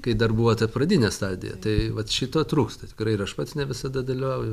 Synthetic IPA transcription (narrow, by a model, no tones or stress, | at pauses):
kɐɪd̪ɐrbuːʋoːt̪ɐprɐd̪ʲinʲɛst̪ɑːd̪ʲɪ̰jɛ̰t̪ɐɪʋɐt̪ʃʲiːt̪oːt̪ruːkst̪ɐt̪ʲɪ̥kɾɐɪɪɾɐʃpɑːt̪ʲsnʲɛʋʲɪsɐd̪ɐd̪ɐlʲɪʋɐʊj